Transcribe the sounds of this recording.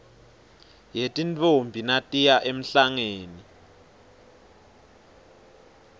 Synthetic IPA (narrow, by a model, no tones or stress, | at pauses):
jetʼint͡fʰʼombʱinatʼijaʔem̩ɬaŋeːni